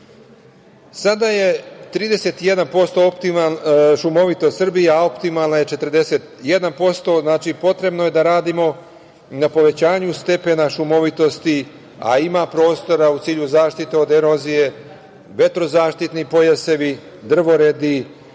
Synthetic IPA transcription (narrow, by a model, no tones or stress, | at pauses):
sad̪aje̞t̪ɾiːd̪e̞se̞t̪ijed̪anpo̞st̪o̞opt̪iaʃumo̞ʋit̪ost̪sr̩bijao̞pt̪imalnajet͡ʃe̞t̪rd̪e̞se̞t̪je̞d̪anpo̞st̪o̞znaːt͡ʃipo̞t̪ɾe̞bno̞je̞d̪aɾaːd̪imo̞ | napo̞ʋe̞t͡ɕaːɲust̪e̞pe̞naʃumo̞ʋit̪o̞st̪i | a̰imapɾo̞ːst̪o̞ɾaut̪siːʎuzaːʃt̪it̪eo̞d̪eɾozije̞ | ʋe̞t̪ɾo̞zaːʃt̪it̪nipojase̞ʋi | d̪r̩ʋo̞ɾed̪i